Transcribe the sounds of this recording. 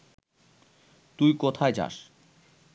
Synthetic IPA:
t̪ujkot̪ʰaed͡ʑa̰ʃ

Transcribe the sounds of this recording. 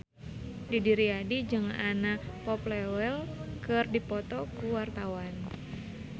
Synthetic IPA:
didiɾiadid͡ʒɨŋanapɔplɛwɛlkɨrdipɔt̪ɔkuwart̪awan

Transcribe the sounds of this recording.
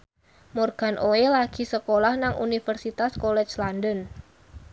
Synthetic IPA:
mɔrɡ̥a̤nʔoelaɡ̥i̤səkolahnaŋʔunifərsit̪askolɛ̥t͡ʃlandən

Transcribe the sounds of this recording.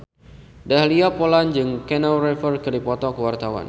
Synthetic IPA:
daɦliapoland͡ʒɨŋkɛnalrɛfərkəlipɔt̪ɔkəwart̪awa̰n

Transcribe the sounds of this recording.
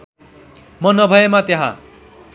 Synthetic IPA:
mʌnʌbʱʌjemat̪jaɦã̰

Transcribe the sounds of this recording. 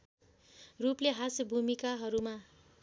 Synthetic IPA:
rupleɦasbʱumikaɦʌɾuma

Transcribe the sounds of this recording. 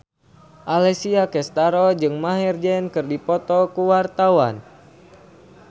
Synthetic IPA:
ʔalɛsiakɛst̪aɾɔd͡ʒɨŋmaɦird͡ʒɛnkɨrdipɔt̪ɔkuwart̪awan

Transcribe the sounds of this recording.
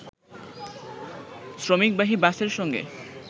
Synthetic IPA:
sɾomik̚baɦibaseɾʃɔŋɡḛ

